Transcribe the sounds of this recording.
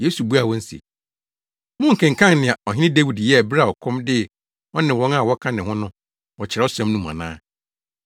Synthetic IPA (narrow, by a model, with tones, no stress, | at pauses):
jeː˦su˨bu˦a˨wɔ̃˦n̩˦sḛ˨ | mʊ̃˦ŋ̩˨kʰɛ̃˨ŋ̩˨kʰã˦ŋnɪ̃˨a˨ɔ˨ɦɪ˦n˦ɪ̃˦de˦wi˨djɛ˦æ˨bɾa˦˨ɔ˨kʰɔ̃˦mdɪ˦˨ | ɔ˦nɪ̃˨wɔ̃˦ŋa˨wɔ˦kʰã˦nɪ̃˨hʊ̃˦nʊ̃˦ | wɔ˨t͡ɕʰɪ˨ɾɛ˦ɔ˦sã˦mnũ˦mã̰˨nã̰ː˦